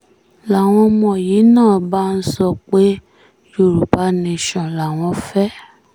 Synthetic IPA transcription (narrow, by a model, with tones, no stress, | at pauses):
la˨w̃ɔ̃˧mɔ̃˨jiː˨˦nãː˦˨ba˦n̩˦sɔ˧k͡pe˦ | jo˦˨ɾu˨pa˨˦nĩ˧ʃɔ̃˨la˨w̃ɔ̃˧˦fɛ˦